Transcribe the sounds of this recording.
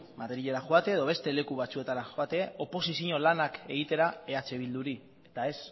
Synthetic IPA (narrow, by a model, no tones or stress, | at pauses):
mat̪e̞ɾiʎeɾaxoat̪e̞ːðo̞β̞e̞st̪e̞le̞kuβ̞at͡sue̞t̪aɾaxoat̪e̞o̞po̞sisiɲo̞lanake̞ɣ̞it̪e̞ɾae̞at͡se̞β̞ild̪uɾi | e̞t̪ae̞s